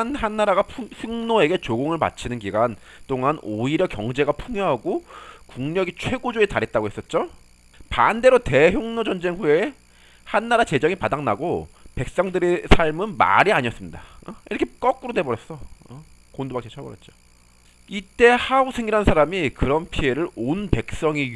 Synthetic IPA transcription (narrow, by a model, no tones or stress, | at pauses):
nhanːaɾaɡapʰusuŋnoe̞ɡe̞t͡ɕoɡoŋɯɭma̰t͡ɕʰinɯnkiɡant͈oŋanoiɾjʌkjʌ̰ŋd͡ʑe̞ɡapʰuŋjoɦaɡokuŋɲʌɡit͡ɕʰwe̞ɡod͡ʑoetaɾet̚t͈aɡoɦe̞s͈ʌt̚t͡ɕ͈o | pande̞ɾote̞çjoŋnod͡ʑʌnd͡ʑe̞ŋɸue̞ | hanːaɾat͡ɕe̞d͡ʑʌŋipadaŋnaɡope̞k̚s͈ʌŋdɯɾesʰaɭmɯnma̰ɾiaɲiʌs͈ɯmɲidaḭɾʌkʰek͈ʌk͈ɯɾodebʌɾjʌs͈ʌ | kondobakt͡ɕ͈ʰet͡ɕʰʌbʌɾjʌt̚t͡ɕ͈o̥ | it͈e̞haosʰeŋɡiɾɦansʰaɾamikɯɾʌnpʰie̞ɾɯɾonpe̞k̚s͈ʌŋi